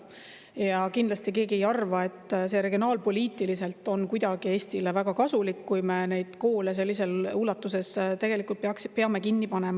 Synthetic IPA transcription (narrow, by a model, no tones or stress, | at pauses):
jɑkind̪lɑst̪ike̞ːɡiejɑrvɑe̞t̪ːˑse̞ːɾe̞ɡio̞nɑːlpo̞lʲiːt̪ːˑilise̞lt̪ːˑo̞nkujd̪̥ɑɡ̥ie̞ːsʲt̪ilevæɡ̥ɑkɑsulikːujme̞ne̞jd̪̥ko̞ːles̬e̞lːise̞luːlɑt̪ːˑuse̞st̪e̞ɡ̥e̞likːˑult̪pɑkpeɑme̞kinːipɑne̞mɑ